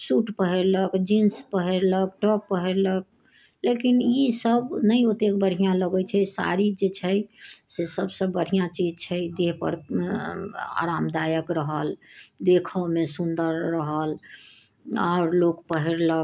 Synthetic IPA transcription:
suʈpəɦɛɾləkd͡ʒinspəɦɛɾləkʈɔkpəɦɛɾlək̚ | lekinisəbnəjot̪ek̚bəɽ̤ijãləɡɛt͡ʃʰɛsa̰ɾid͡ʒet͡ʃʰɛsesəbsə̃bəɽ̤ijãt͡ʃid͡ʒt͡ʃʰɛjd̪eɦpə̰ɾ | a̰ɾamd̪ajəkɾəɦəld̪ekʰəmesund̪əɾːəɦəl | a̰ʊɾlokpəɦɛɾlək

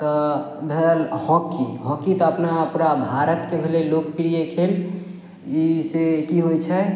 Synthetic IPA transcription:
t̪ɔ | bʱelhɔkːḭɦɔkːit̪ɔəpnaəpɾabʱaɾət̪kebʱelelok̚piɾijekʰel | isekiɦojt͡ʃʰɛ

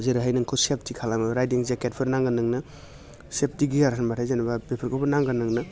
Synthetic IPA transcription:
zeɾɯɦajnɯŋkʰowsep̚tikʰalamaɾajdiŋzeket̚pʰɯɾnaŋɡanɯŋnɯ | sep̚tiɡijaɾsʰanbatʰajzanababepʰɐɾkʰopʰɐnaŋɡanɯŋnɯ

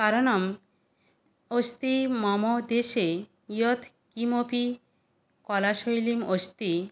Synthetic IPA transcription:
kaɾonam | ost̪imɔmod̪eʃe | ijot̪ʰ | kimopi | kɔlaʃojlimost̪i

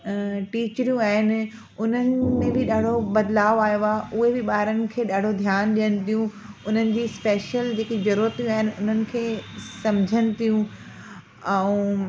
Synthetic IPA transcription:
ʈiːt͡ɕɾijũaːɦɪnɪ̆ | ʊn̤ənɪmẽbɪɗaːɽ̤ʱobɐd̪laːʋaːjoaːʊɦebɪɓaːɦɾənɪ̆kʰeːɗaːɽ̤od̪ʱjaːnɗijənɪ̆t̪ʰijũ | ʊn̤ənɪ̆d͡ʑiːspeːʃəld͡ʑeːkizɐɾuːɾət̪ijũaːɦɪnɪ̆ʊn̤ənɪ̆kʰeːsɐmd͡ʑʱənɪ̆t̪ʰijũ | ɛ̃ũ

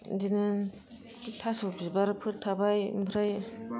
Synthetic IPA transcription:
dinɯ | tʰasubzibaɾɯpʰɯtʰabajmbʰɾaj

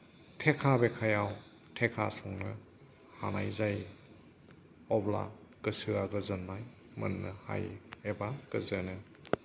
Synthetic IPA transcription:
tʰekʰabekʰajaw | tʰekʰa̰sɔŋnɯ̰ | ha̰najzaj | ɔbla̰kɯsɯaɡɯzɐnmaj | mɯ̰nːɯha̰jebaɡ̥ɯzɯnɯ

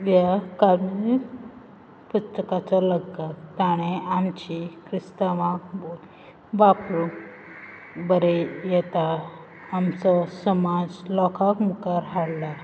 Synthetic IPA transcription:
jakaɾmi | pust̪əkat͡sɔləɡakt̪aɽ̃eamt͡ɕikɾist̪aʋãk | ʋapɾu | bəɾejɛt̪aː | msɔsəmad͡zlɔkʰakmukaɾɦaɽla

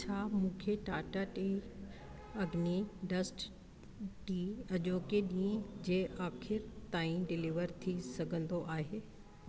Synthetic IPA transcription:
t͡ɕʰaːmũːkʰeʈaːʈaʈi | ɐɡniɖɐsʈ | ʈiːɐʄoːkeɗĩːə̃d͡ʑeʔaːkʰɪɾt̪aːĩɖɪliʋəɾt̪ʰisɐɡʱə̃nd̪oʔaːɦeː

